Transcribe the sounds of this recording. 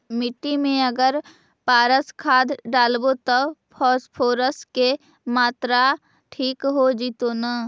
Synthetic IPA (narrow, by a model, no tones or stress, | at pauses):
mɪʈːimẽəɡəɾ | paːɾəskʰaːd̪ɖaːlbot̪ɔpʰɔːspʰoːɾəske | maːt̪ɾa | ʈʰiːkɦod͡ʒit̪ona